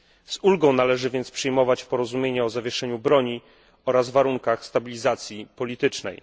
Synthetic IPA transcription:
zulɡɔ̃w̃nalɛʐɘvʲjɛnt̪spʂɘjmɔvat͡ɕpɔɾɔzumʲjeɲɛɔzavʲjɛʂɛɲubɾɔɲi | ɔɾazvaɾuŋkaxst̪abʲilʲizat̪sʲjipɔlʲit̪ɘt͡ʂnɛ̰j

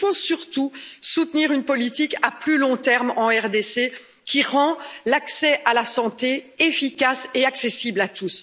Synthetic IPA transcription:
fosyʁt̪usut̪niːʁynpɔlit̪ikaplylɔ̃t̪ɛʁmɑ̃ɛʁd̪ese | kʲiʁɑ̃laksɛʔalasɑ̃t̪eefikaseaksesiblat̪us

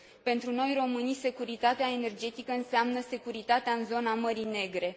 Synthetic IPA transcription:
pe̞nt̪ɾuno̞jro̞mɨnijse̞kuɾit̪at̪eae̞ne̞rd͡ʒe̞t̪ikəɨnseamnəse̞kuɾit̪at̪eaɨnzo̞naməɾine̞ɡɾe̞

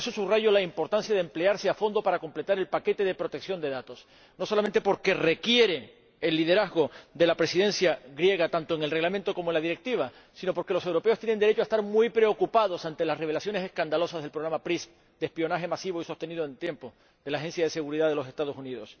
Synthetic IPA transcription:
eso̞suβraʝo̞laimpo̞ɾt̪ansjaðemple̞aɾseafo̞nd̪o̞paɾako̞mple̞t̪aɾe̞lpake̞t̪e̞ðe̞pɾo̞t̪e̞ksjo̞nd̪e̞ðat̪o̞s | no̞so̞lament̪̬e̞po̞ɾke̞re̞kje̞ɾe̞ː | lːiðe̞ɾazɣo̞d̪e̞lapɾe̞siðe̞nsjaɣɾje̞ɣ̞at̪ant̪oe̞ŋelreɣlament̪o̞ko̞moenlaðiɾe̞k̚t̪iβ̞a | sino̞po̞ɾke̞lo̞se̞wɾope̞ost̪jenend̪eɾe̞t͡ʃoaest̪aɾmwujpɾe̞o̞kupaðo̞sant̪e̞lasre̞β̞e̞lasjo̞ne̞se̞skand̪alo̞sazðe̞lpɾoɾamapɾis | d̪̥ehpio̞naxe̞masiβoiso̞st̪enið̞oẽnt̪je̞mpo | d̪elaːxe̞nsjaðe̞se̞ɣuɾiðað̞e̞lo̞se̞st̪að̞o̞suniðo̞s

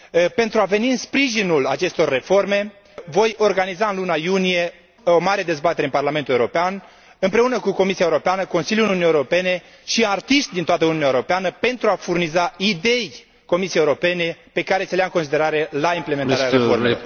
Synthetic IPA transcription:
pe̞nt̪ɾuave̞niɨnspɾiʒinulat͡ʃe̞st̪o̞rːe̞fo̞rme̞ | vo̞jo̞rɡanizaɨnlunajunije̞ | omaɾe̞d̪e̞zbat̪e̞ɾeɨmparlame̞nt̪ule̞uɾo̞pean | ɨmpɾe̞unəkuko̞misiaeuɾo̞peanəkonsiljulununieuɾo̞pe̞ne̞ | ʃiart̪iʃt̪̚d̪int̪oat̪əununʲaeɾo̞peanəpe̞nt̪ɾuafurnizaid̪e̞j | ko̞mis̬iejeuɾope̞ne̞pe̞kaɾe̞selejaɨŋkons̬id̪e̞ɾaɾe̞laimplemenaɾeaɾeformel

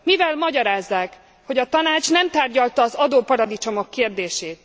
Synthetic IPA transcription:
mivɛlmɒɟɒɾaːzːaːk | ho̞ɟɒt̪ɒnaːt͡ʃnɛmt̪aːrɟɒlt̪ɒːzɒd̪oːpɒɾɒd̪it͡ʃo̞mo̞kːeːrd̪eːʃeːt̪

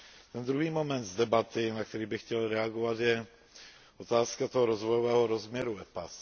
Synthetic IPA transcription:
t̪ɛnd̪ɾuɦiːmomɛnd̪zdɛbat̪ɪnak̚t̪ɛɾiːbɪxcɛlɾɛaɡovat̪jɛ | ʔot̪aːskat̪oɦɔɾozvojovɛːɦoɾozmɲɛɾuɛpas

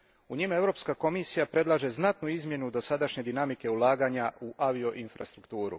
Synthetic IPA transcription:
uɲime̞vɾo̞ːpskako̞misijapɾe̞d̪lˠaʒe̞znat̪nuizmje̞nud̪o̞sad̪aʃɲe̞d̪inamike̞ulˠaːɡaːɲauʔaʋio̞ʔinfɾa̰st̪ɾukt̪uːɾṵ

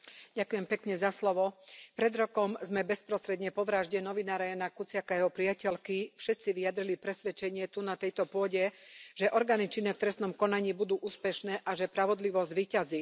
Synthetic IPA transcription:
ɟakujɛmpɛkɲɛzaslɔʋɔpɾɛd̪ɾɔkɔmzmɛbɛspɾɔst̪ɾɛd̪ɲɛpɔʋɾaːʒɟɛnɔʋinaːɾajanakut͡sɪakajɛɦɔpɾiacɛlkifʃɛt̪t͡siʋijad̪ɾilipɾɛsʋɛt͡ʃɛɲɪɛt̪unat̪ɛjt̪ɔpʊɔɟɛʒ̥ɛʔɔɾɡaːnit͡ʃinɛft̪ɾɛsnɔmkɔnaɲiːbud̪uːʔuːspɛʃnɛːʔaʒɛpɾaʋɔd̪liʋɔzɟʋiːcazi

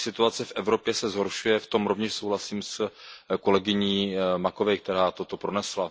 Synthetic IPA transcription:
sɪt̪uat͡sɛfʔɛvɾo̞pjɛsɛzɦo̞ɾʃujɛft̪o̞mɾo̞vɲɛʃso̞wɦlasiːmsko̞lɛɡɪɲiːmako̞vɛjk̚t̪ɛɾaːt̪o̞t̪o̞pɾonɛsla

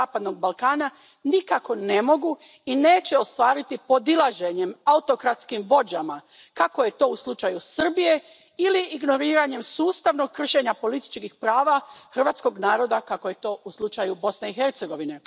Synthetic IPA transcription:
aːpad̪no̞ɡ̚balˠkaːna | nikako̞ne̞mo̞ɡu | ine̞ːt͡ɕe̞o̞st̪ʋaːɾit̪ipo̞d̪ilaʒe̞ɲe̞maut̪o̞kɾat̪skimʋo̞d͡ʑama | kako̞je̞t̪o̞ːuslˠut͡ʃajusr̩bije̞ | iliʔːɡno̞ɾiːɾaɲe̞msuːst̪aʋno̞ɡ̚kːr̩ʃe̞ɲapo̞lit̪i̥t͡ʃkixpɾaːʋaxr̩ʋaːt̪sko̞ɡnaːɾo̞d̪akakojet̪o̞ːuslˠut͡ʃajubo̞sneixe̞ɾt̪se̞ɡo̞ʋine̞

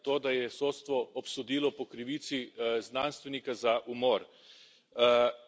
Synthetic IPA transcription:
t̪oːd̪ajɛsoːt̪st̪ʋɔɔpsud̪iːlɔpɔkɾiʋiːt̪siznaːnst̪ʋɛnikazaʔumɔːɾ

